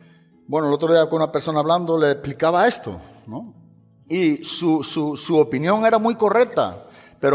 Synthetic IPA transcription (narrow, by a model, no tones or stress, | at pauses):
bwenoelo̞t̪ɾoðiakounapeɾso̞naːβ̞land̪oleplikaβ̞ae̞st̪o̰ | nõ | isususuopinjõ̞ŋe̞ɾamujko̞rek̚t̪a̰ | peɾo